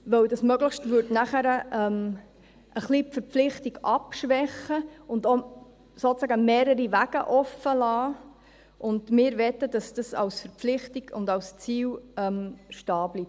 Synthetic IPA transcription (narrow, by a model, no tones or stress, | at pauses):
ʋœwdɑsmœɡləχʃtʋʏdnæχəɾəʔɛm | ʔəχlipfəɾpflɪχtiɡ̥ɑpʃʋɛχəʊndo | sot͡sæɡəmeːɾəɾiʋæɡ̥əʔɔfəlɑː | ʔʊndmɪːɾʋɛtːəd̥ɑsd̥ɑsɑ̰wsfəɾpflɪχtiɡ̥ʊ̰ndɑwst͡siːwɛmʃtɑːblip̚